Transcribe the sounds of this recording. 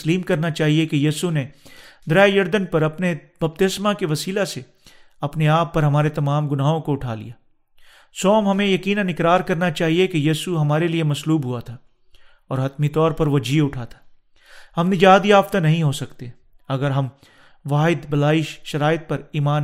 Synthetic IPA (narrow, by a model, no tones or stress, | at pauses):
liːmkɐɾnat͡ʃaːɦiekejiːsuned̪ɾaːjɐɾd̪ənpɐɾɐpnebɐb̚t̪ɪsmakeʋɐsiːlase | ɐpneaːpːɐɾɦɐmaːɾet̪ɐmaːmɡʊnaːɦõkoʊʈʰa̰ːlḭjaː | sɔːmɦɐmẽjɐkiːnə̃nɪkɾaːɾkɐɾnat͡ʃaːɦiekejiːsuɦɐmaːɾeliemɐsluːbɦuat̪ʰaː | ɔːɾɦɐt̪mit̪ɔːɾpɐɾʋod͡ʒiːʊʈʰat̪ʰḁː | hɐmnɪd͡ʒaːd̪iaːft̪anɐɦĩɦosɐkt̪e | ɐɡəɾɦɐm | ʋaːɦɪd̪bɐlaːɪʃʃɐɾaːɪt̪̚pɐɾiːmaːn